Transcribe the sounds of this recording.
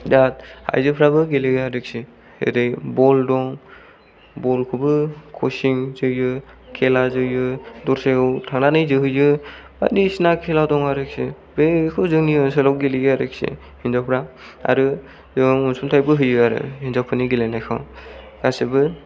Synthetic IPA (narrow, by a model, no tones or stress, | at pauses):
dat̚ha̰jzɯpʰɾabɯɡeliɡaɾɯk̚si | hḛɾɯjbɔldɔŋ | bɔlkʰɯbɯkʰɔsiŋzɯjɯkʰelazɯjɯdɔɾsewtʰaŋnanɯjzɯɦɯjɯba̰disnakʰeladɔŋaɾɯk̚si | bekʰɯzɯŋniɯselɔw̚ɡeliɡaɾɯk̚sḭ | hinzapʰɾaa̰ɾɯ | zɯŋɔnsumtʰajbɯɦɯjɯaɾɯ̰hinzaw̚pʰɯniɡelenajkʰa̰w | ɡ̥asebɯ